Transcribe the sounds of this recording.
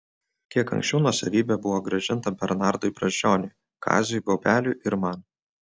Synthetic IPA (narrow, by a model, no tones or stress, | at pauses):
kʲiɛkɐ̰ŋksʲt͡ʃʲɛʊnuɔsɐʋʲiːbʲɛbʊʋoːɡɾɐʒʲɪnˑt̪ɐbʲɛɾnɑɾd̪ʊɪpɾɐʒʲd͡ʒʲoːnʲʊɪ | kʰɑ̰ːzʲʊjɡɐʊbʲæːlʲuˑʔɪɾmɑn